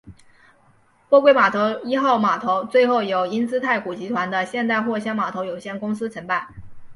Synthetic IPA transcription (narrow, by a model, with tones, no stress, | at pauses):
pwɔ˥˧kwe˥ɪma˨˩t̪ʰo˧˥ʊi˥xɑ˥˩ʊma˨˩t̪ʰo˧˥ʊt͡swe˥˧ɪxo˥˩ʊjo˨˩ʊi˥nt͡sɹ̩˥t̪ʰa˥˩ɪku˨˩t͡ɕi˧˥t̪ʰwa˧˥nd̪ə˧ɕjɛ˥˧nt̪a˥˧ɪxwɔ˥˩ɕjɑ˥ŋma˨˩t̪ʰo˧˥ʊjo˨˩ʊɕjɛ˥˩nkʊ˥ŋsɹ̩˥t͡sʰə˧˥ŋpa˥˩ɪ